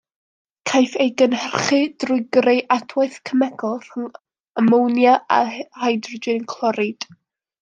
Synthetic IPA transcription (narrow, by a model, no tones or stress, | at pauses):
kʰajfejɡənhərχɨd̥rʊɨɡrejʔadʰwajθkʰəmɛɡʰɔlˠθŋ | amownjaʔa̰hajdrɔd͡ʒɪnkʰlˠɔɾɨd̥